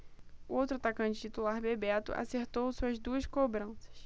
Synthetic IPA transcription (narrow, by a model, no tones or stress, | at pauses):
ʊowt̪ɾʊat̪akɐ̃nt͡ʃɪt͡ʃit̪ulaɾbebɛt̪ʊ̰ʔa̰seɾt̪owsuɐzd̪uɐskobɾɐ̃sɐ̥s